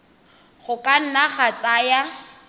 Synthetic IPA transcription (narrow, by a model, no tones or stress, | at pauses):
χʊkʼan̩naχat͡sʼaja